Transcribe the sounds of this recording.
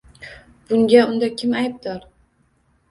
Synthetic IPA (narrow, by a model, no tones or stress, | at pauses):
b̥ʊŋɡʲaʊnd̪akʲʰɪmajp̚d̪ɒɾ